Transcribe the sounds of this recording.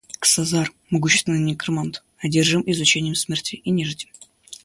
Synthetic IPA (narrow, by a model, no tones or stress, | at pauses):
ksɐzar | mɐɡuɕːɪst̪vʲɪnɨnʲɪkrmant̪ | ɐdʲerʐɨmɪzʊt͡ɕenʲɪjəmsmʲertʲɪʔinʲɪʐɨtʲɪm